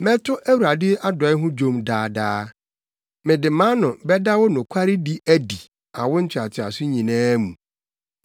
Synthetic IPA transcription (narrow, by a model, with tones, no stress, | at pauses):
mɛ̃˦tʰʊ˦ʔæ˦wu˨ɾa˨dɪ˦ʔa˦dɔ˨˦ɪ˦ɦʊ̃˦d͡ʑõ˦mdaː˨daː˦ | mɪ̃˨dɪ˨mã˦nʊ̃˨bɛ˦da˦wɔ˦nʊ̃˨kʷʰa˦ɾɪ˦di˦ʔæ˦˨di˨ | a̰˨wʊ˦n̩˦t͡ɕʰᶣɪ˨a˨tʰɪ˨a̰˨sʊ˦ɲĩ˨nãː˦mũ˨